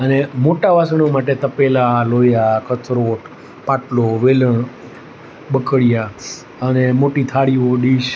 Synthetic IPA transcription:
ənemoʈaʋasɳ̃omaʈ̬et̪əpelalojakət̪ʰɾoʈ | paʈloʋeləɳ | ɓəkəɽija | ənemoʈit̪ʰaɽiʋoɖiʃ

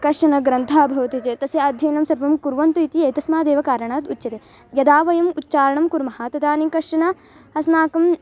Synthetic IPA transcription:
kɐʂɐnɐɡɾɐnt̪ʰaːbʱɐʋɐt̪it͡ʃet̪ɐsjɐɐd̪ʱjɐːnɐmsɐɾʋɐmkuɾʋɐnt̪uit̪iɐjt̪ɐsmaːd̪eːʋɐkaːɾɐɳaːt̪ut̪ːt͡ʃɐt̪e | jɐd̪aːʋɐjɐmutːt͡ʃaːɾɐɳɐmkuɾmɐɦaːt̪ɐd̪aːnikɐʂɐnɐ | ɐsnaːkɐm

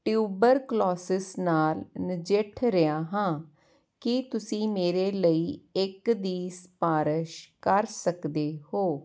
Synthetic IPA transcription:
ʈjuːbəɾklɔːsɪsnaːlnɪd͡ʒɪʈʰɾɪaːɦãː | kɪt̪ʊsĩːmeːɾeːləiːɪkd̪iːspaːɾəʃkəɾsəkd̪eːhoː

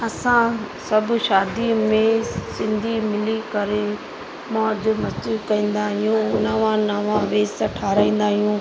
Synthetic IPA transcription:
ɐsãsɐbʱʃaːd̪imẽsɪ̃nd̪ʱimɪlikɐɾe | mãɐd͡ʑʊ̆mɐsd͡ʑɪkɐĩːn̆d̪aːɦijũnɐʋãnɐʋãʋeːzt̪ɐʈʰaːɾaːĩːn̆d̪aːɦijũː

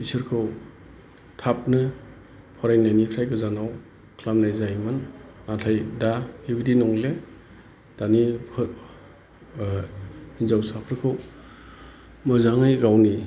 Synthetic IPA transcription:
pʰisɯɾkʰɯw | tʰap̚nɯ | pʰɔɾajnajnipʰɾajkɯzanaw | kʰlamnajzajmɯnːatʰajdahibidinɔŋle | d̥anipʰ | inzawsapʰɯɾkʰɯw | mɯzaŋɯjɡawni

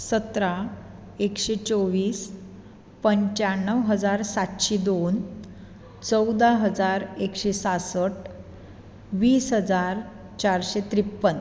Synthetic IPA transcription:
sət̪ɾa | ekɕet͡soʋiːs | pəɲt͡ɕaɳːəʋɦəd͡zaɾsat̪ɕed̪on | t͡səwd̪aɦəd͡zaɾekɕesasəʈ | ʋiːsɦəd͡zaɾ | t͡ɕaɾɕet̪ɾipːən

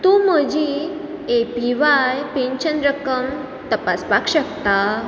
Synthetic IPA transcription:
t̪ũməd͡ʑi | epiʋajpẽɲɕənɾəkəm | t̪əpaspakɕəkt̪a

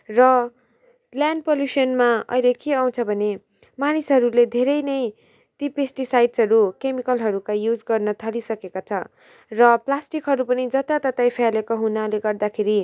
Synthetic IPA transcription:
rʌ | ljanɖpoljusʌnmaʌ̰jlekeaw̃t͡sʰʌbʱʌne | manisɦʌɾuled̪ʱeɾʌjnʌj | t̪ipesʈisajɖsʌɾukemikʌlɦʌɾukajjud͡zɡʌrnʌt̪ʰʌlisʌkekot͡sʰʌ | rʌplasʈikɦʌɾupʌnid͡zʌt̪at̪ʌt̪ajpʰjalekoɦunaleɡʌrd̪akʰeɾi

